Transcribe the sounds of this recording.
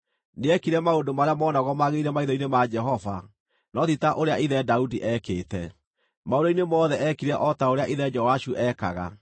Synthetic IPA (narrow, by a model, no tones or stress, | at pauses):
neɛkiɾɛmaodomaɾeamɔːnaɣɔmaɣeiɾɛmaiðɔinemad͡ʒɛɦɔva | nɔtitaʔoɾeaiðɛdaudiʔɛkeːtɛ | maodoinemɔːðɛʔɛkiɾɛʔɔtaoɾeaʔiðɛd͡ʒɔwaʃuʔɛkaɣa̰